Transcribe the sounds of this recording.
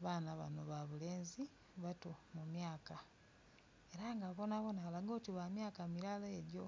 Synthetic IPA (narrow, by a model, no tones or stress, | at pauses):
βaːnaβa̰noβaβuleːnzi | βatomumjaːka | e̞ɾaŋɡaβonaβonalaɡoːtiβamjaːkamiɾalaeɟo